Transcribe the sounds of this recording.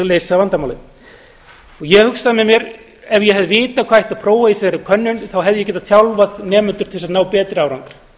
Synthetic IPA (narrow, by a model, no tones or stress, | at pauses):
leːjsavant̪amawlɪ | ɔɣjɛhʏksaðmɛmjɛɾ | ɛvjɛɦɛvðɪvɪːt̪akʰvajht̪aðpʰɾoːwvaisɛɾɪkʰœnːʏnθawɦɛvðʏjɛcɛːt̪aðt̪ʰjawlvaðnɛːmʏnt̪ʏ̥ɾt̪ʰɪlsaðnaːwpɛːt̪ɾɪawɾaŋkaɾ̥